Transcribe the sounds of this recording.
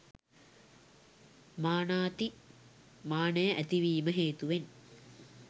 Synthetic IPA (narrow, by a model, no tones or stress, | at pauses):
maːnaːt̪i | maːnəjəʔæt̪iʋiːməɦeːt̪uʋen